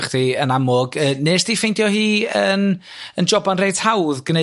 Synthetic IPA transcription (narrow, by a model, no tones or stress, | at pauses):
χd̥iənamʊɡəːneːsd̥ifejndjɔhiːən | ənd͡ʒɔbanrejdhawðɡ̥əne